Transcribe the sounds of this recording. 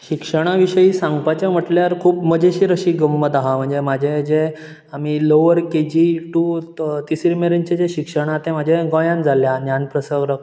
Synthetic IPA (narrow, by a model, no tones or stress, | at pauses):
ɕikʂəɽ̃aʋiɕəjiːsãŋɡpat͡ɕam̤əʈljaɾkʰuːpməd͡ʑʱeɕiːɾəɕiːɡəmːət̪aɦam̤əɳd͡zemad͡ʑʱed͡ʑe | amiloʋəɾked͡ʑiʈut̪isɾimeɾəɲt͡ɕed͡ʑeɕikʂəɽ̃at̪ẽmad͡ʑʱeɡɔ̃jãnd͡zʱaljanjanpɾəsəɡɾək